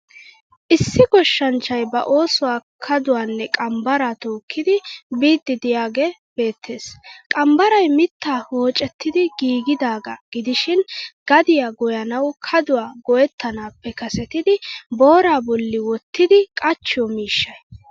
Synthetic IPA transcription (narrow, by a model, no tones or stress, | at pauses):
ʔɪsːɪɡɔʃːɐnt͡ʃːɐjbɐ̰ʔo̞ːsʊwaːkʰɐd̪ʊwaːnːɛkʼɐmbɐɾaːt̪o̞ːkʰːɪd̪ɪbiːd̪ːɪd̪ɪjaːɡe | b̥e̞ːt̪ʰːe̞ːskʼɐmbɐɾɐjmɪt̪ːaːhoːt͡ʃʼɛt̪ːɪd̪ɪɡiːɡɪd̪aːɡɐɡ̥ɪd̪ɪʃɪnɡ̥ɐd̪ɪjaːɡɔjɐnɐwkʰɐd̪ʊwaːɡɔjɛt̪ːɐnaːpːɛkɐsɛt̪ɪd̪ɪbo̞ːɾaːbɔlːɪwɔt̪ːɪd̪ɪkʼɐt͡ʃːɪjɔmiːʃːɐj